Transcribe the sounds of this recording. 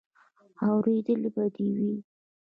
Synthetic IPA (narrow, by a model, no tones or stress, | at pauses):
awɾed̪əlebad̪ewi